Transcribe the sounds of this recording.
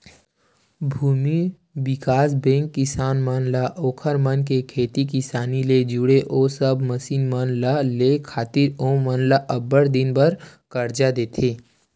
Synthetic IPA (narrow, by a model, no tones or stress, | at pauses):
bʱuːmi | bɪkaːsbẽːŋkːɪsaːnmənlaʔoːkʰəɾmənkekʰeːt̪ikɪsaːniled͡ʒuɽeʔoːsəbməsiːnmənlalekʰaːt̪ɪɾoːmənlaʔəbəɽd̪ɪnbəɾkəɾd͡ʒad̪eːt̪ʰeː